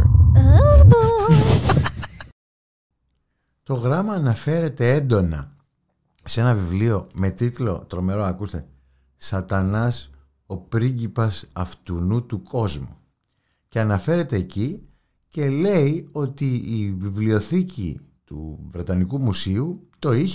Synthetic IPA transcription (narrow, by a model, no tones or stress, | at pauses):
t̪o̞ɣɾɐmɐːnɐfe̞ɾe̞t̪e̞end̪o̞nɐ̰ | se̞nɐvivlio̞me̞t̪it̪lo̞̰t̪ɾo̞me̞ɾo̞ɐkust̪e̞ | sɐt̪ɐnɐs | o̞pɾiɲɟipɐsɐft̪unut̪uko̞zmu | cɐnɐfe̞ɾe̞t̪e̞ːci | ce̞le̞io̞t̪iːvivlio̞θicḭt̪ṵvɾe̞t̪ɐnikumusiut̪o̞iç